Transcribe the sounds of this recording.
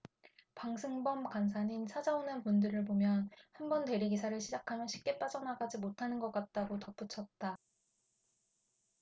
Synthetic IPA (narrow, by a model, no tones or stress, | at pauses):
paŋsʰɯŋbʌmkansʰaɲinsʰad͡ʑaonɯnpundɯɾɯɭpomjʌnhanbʌnte̞ɾiɡisʰaɾɯɭɕʰid͡ʑakʰamjʌɕʰi̥p̚k͈e̞p͈ad͡ʑʌnaɡad͡ʑimotʰanɯnɡʌk͈at̚t͈aɡotʌp͈ut͡ɕʰʌt̚t͈a